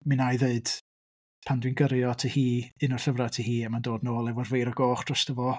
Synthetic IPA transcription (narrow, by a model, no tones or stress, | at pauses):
mɨnajðeɨd̥ | pʰandwinɡəɾjɔtʰihiːɨnɔrɬəvratʰihiːamandoːdnoːlˠɛvʊrvejɾɔɡoːχd̥rɔstʰəvɔ